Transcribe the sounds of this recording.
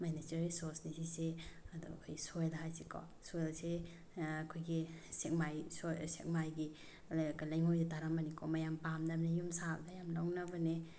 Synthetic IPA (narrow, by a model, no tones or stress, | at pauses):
majnat͡ʃeɾisosnisiseɐdṵkʰojɡisojlɦajsikʰɔ̰ | sojlse | akʰojɡisek̚majsosek̚majɡi | lkalajŋojdataɾamanikʰɔmajampamnɐbnejumsabdajamlaŋnabɐne